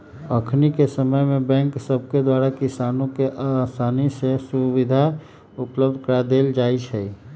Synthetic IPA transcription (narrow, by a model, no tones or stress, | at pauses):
əkʰnikesəməjmebɛ̃ŋksəb̚ʱked̪waɾakisanõkeʔasanisesuʋid̪ʱa | upləbd̪ʱkəɾad̪eːld͡ʒaːit͡ʃʰɛ